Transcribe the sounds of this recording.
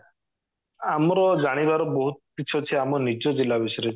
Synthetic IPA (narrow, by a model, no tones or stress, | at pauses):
amɔɾɔd͡ʒaɽ̃ibaɾɔbɔɦut̪̚piːt͡ʃʰɔt͡ʃʰeamɔnid͡ʒɔd͡ʒilːabiʃɔɾe